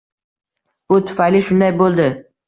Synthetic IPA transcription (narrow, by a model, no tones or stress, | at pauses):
b̥ʊt̪ʰʊ̥fajlɪʃʊnd̪ajbolˠd̪ɪ